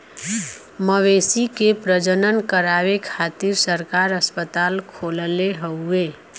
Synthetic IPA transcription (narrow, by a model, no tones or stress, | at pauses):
məʋesikepɾəd͡ʒənənkəɾawekʰat̪iɾsəɾkaɾəspət̪aːlkʰoləleɦəue